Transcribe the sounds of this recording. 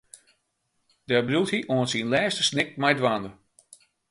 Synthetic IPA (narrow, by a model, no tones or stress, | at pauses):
d̥ɛbrulˠthiʔoənsinlɛːstəsnɪk̚mɛjdʋaːndə